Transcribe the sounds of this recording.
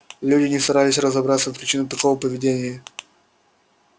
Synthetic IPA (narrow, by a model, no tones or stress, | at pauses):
lʲudʲɪnʲɪst̪ɐɾalʲɪsʲrəzɐbɾat̪səfpɾʲɪt͡ɕinʊt̪ɐkovəpəvʲɪdʲenʲɪjə